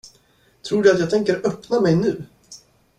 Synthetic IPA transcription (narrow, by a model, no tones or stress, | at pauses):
t̪ʰɾuːɖɛat̪jɑːt̪ʰɛŋkəɾœpnamɛjnʉ̟ː